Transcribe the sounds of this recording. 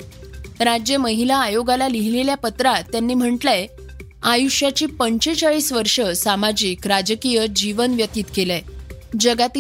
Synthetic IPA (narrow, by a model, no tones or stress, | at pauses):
ɾad͡ʑjəməɦilaːjoɡalaliɦileljapət̪ɾat̪janːiːm̤əɳʈle | ajuʂjat͡ɕiːpəɲt͡ɕet͡saɭiːsʋəɾʂəsamad͡ʑiːkɾad͡ʑəkijəd͡ʑiʋənʋjət̪iːt̪kelɛ | d͡ʑəɡat̪i